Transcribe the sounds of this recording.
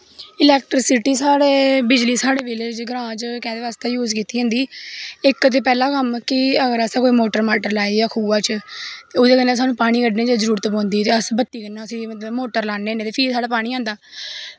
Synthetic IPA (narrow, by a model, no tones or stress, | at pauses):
ɪlɛːkʈɾɪsɪʈiːsaːɽeːbɪd͡ʒliːsaːɽeːbɪleːd͡ʒɡəɾãːt͡ʃkɛ̃ːd̪eːʋaːst̪eːjuːd͡ʒkiːt̪iːɦə̃ːnd̪iːɪkt̪eːpɛːlãːkəmkɪəɡəɾəsaːkoːiːmoːʈəɾmaːʈəɾlaːijaːkʰuːaːt͡ʃt̪eːʊd̪eːkənãːs̬aːnũːpaːɽ̃iːkəɖneːd͡ʒaːzəɾuːɾt̪ːbɔ̃ːnd̪iːt̪eːəsbət̪ːiːkənːaːəsĩːmət̪ləbmoːʈəɾlaːnːeːneːt̪eːpʰiːsaːɽaːpaːɽ̃iːãːnd̪aː